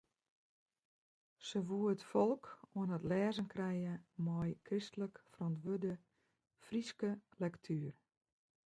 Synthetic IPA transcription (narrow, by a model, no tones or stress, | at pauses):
səʋuəətfɔlˠkuənətlɛːzənkrɛjəmɔjkristələkfrɔntʋødə | friskəlɛktʰyər